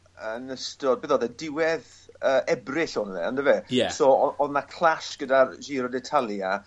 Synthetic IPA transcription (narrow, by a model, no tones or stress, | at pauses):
ənəstɔdbɪðɔðɛdɪwɛð | əːʔɛbrɪɬɔnəðɛ̰a̰ndəvɛjɛsɔɔɔðnakʰl̥ˠaʃɡ̥ədarʒiːɾɔdɛtʰalˠja